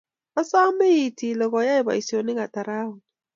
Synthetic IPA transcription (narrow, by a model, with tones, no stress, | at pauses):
a˦sa˦me˦ji˨tʰi˨lɔ˨ɣɔ˨˦ja˦i˦˨ba̰˨i˨si˨o˨nɪ˦ŋa˨ta˨ɾa˦wu˨